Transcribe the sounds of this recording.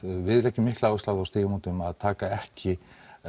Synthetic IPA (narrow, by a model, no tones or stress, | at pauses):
vɪðlɛhcːɪmɪhklawɪsawðawst̪eːɣɪmut̪ʏmaðt̪ʰaːkaɛhcɪ